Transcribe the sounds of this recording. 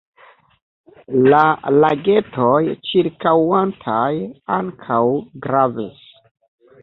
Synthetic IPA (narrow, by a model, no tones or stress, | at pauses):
lalaɡe̞tʰojt͡ʃiɾkawantʰajaŋkʰawɡɾavis